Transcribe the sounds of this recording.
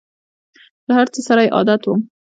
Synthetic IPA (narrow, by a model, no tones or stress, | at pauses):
lahaɾt͡səsaɾajʔɑ̰d̪at̪wu